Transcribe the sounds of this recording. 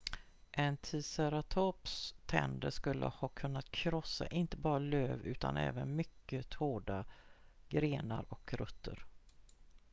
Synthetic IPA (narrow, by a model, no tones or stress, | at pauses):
ʔɛnt̪ʰiːsɛɾat̪ʰopst̪ʰɛ̰nd̪əʂkɵlːə̰hɑːkʰɵnːat̪kʰɾɔsːa̰ʔɪnt̪əbɑːɾaløːvʉ̟ːt̪a̰nɛ̰ːvənmʏkːət̪ʰoːɖaɡɾeːnaɾɔkɾɵt̪ʰːəɾ